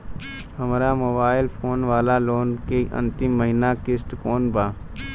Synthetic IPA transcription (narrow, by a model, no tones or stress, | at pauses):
ɦəmɾaːmoːbaːɪlpʰoːnʋaːlaloːnkeʔə̰̃nt̪ɪmːəɦinakɪsʈ̪koːnbʱaː